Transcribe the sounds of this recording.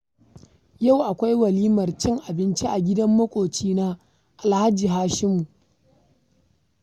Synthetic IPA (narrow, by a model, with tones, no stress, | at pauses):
ja˦˨wʔa˨kʷa˦jwɐ˨liː˦mɐ˨rt͡ʃɪ˦ŋʔa˨bɪ˦nt͡ʃi˦ʔa˨ɡʲɪ˦dɐ˦mːɐ˦kʷʼoː˨t͡ʃiː˦na˦ | ʔa˨lha˦d͡ʒiː˨ɦaː˦ʃɪ˦mu˨ʔ